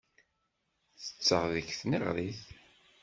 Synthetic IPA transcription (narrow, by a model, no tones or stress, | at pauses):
θə̥t͡sːəʁðəçθniʁɾiθ